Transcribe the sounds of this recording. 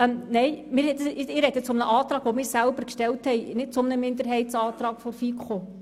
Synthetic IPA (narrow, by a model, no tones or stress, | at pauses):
ɛmnɛɪmɪɾhɛdsɪɾɛdət͡sʊmnəʔɑːt̪ɾɑːɡ̥ʋomɪːɾsælbəɾkʃtɛlthɛɪnɪt̚t͡sʊmnəmɪndəɾɦɛɪtsɑːtɾɑːɡ̥fɔɾfikʰo